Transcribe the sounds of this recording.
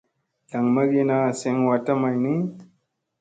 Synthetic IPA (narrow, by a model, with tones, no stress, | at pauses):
da˨ŋma˦ɡe˦na˦˨se˦ŋwa˨ta˦ma˨jni˦